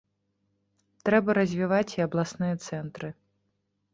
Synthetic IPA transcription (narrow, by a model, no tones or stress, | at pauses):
t̪ɾɛbɐɾɐzʲvʲivat͡sʲiɐblˠasnɨjɐt̪sɛnt̪ɾɨ